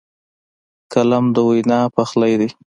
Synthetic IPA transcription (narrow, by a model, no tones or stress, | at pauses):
kalamd̪əwajnɑpaxlajd̪i